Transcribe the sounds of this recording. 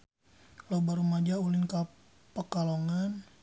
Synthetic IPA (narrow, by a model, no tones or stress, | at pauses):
lobaɾumad͡ʒaulinka | pəkaloŋan